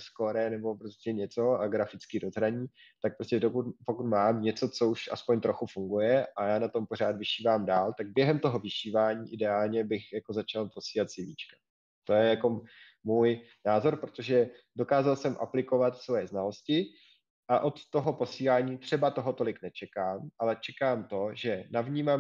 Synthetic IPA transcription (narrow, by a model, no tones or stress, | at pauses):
sko̞ɾɛnɛbo̞pɾoscʲɛɲɛt͡so̞aɡɾafɪt͡skiːɾozɦɾaɲiː | t̪ak̚pɾoscɛdokut̪pokut̪maːmɲɛt͡so̞t͡so̞uʃʔa̰spoɲt̪ɾo̞xufuŋɡujɛʔajaːnat̪o̞mpor̝aːt̪vɪʃiːvaːmdaːlt̪aɡ̚bjɛɦɛmt̪o̞ɦo̞vɪʃiːvaːɲiːʔɪdɛaːlɲɛbɪxjako̞zat͡ʃalpo̞siːlat̪sɪviːt͡ʃkḁ | t̪o̞jɛjako̞ | muːj | naːzo̞ɾpɾo̥t̪o̞ʒɛdo̞kaːzalsɛmʔa̰plɪko̞vat̪svojɛznalo̞scɪ | ʔaʔo̞t̪ːo̞ɦo̞po̞siːlaːɲiːt̪r̝̥ɛbat̪o̞ɦo̞t̪o̞lɪknɛt͡ʃɛkaːmʔalɛt͡ʃɛkaːmt̪o̞ʒɛnavɲiːmam